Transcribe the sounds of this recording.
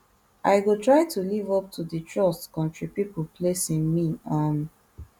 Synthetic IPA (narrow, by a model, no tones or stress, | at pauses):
ʔaɪɡotɹaɪtʰulivɔp̚tʰudətʰɹɔskɔ̃ntɹipipəlpʰlesĩnmiãn